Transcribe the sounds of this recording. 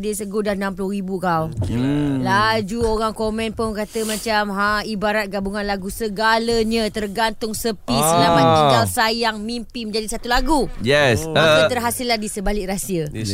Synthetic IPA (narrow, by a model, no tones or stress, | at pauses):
disəɡudahnãmplʊhribukaw | lad͡ʒuoɾaŋkomɛ̃npʊnkat̪əmãt͡ʃamɦaibaɾat̪̚ɡabuŋãnlaɡusəɡaləɲə̃t̪ərɡant̪ʊŋsəpislamə̃niŋɡalsajaŋmimpimə̃ɲd͡ʒadisat̪ulaɡujɛsakət̪ərɦasɪlːahdisəbalɪʔrasiə